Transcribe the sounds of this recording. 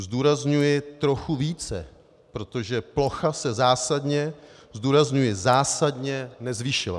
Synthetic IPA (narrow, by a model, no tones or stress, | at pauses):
zduːɾazɲujɪt̪ɾo̞xuviːt͡sɛ̰ | pɾo̞t̪o̞ʒɛplo̞xasɛzaːsadɲɛzduːɾazɲujɪzaːsadɲɛnɛzviːʃɪla̰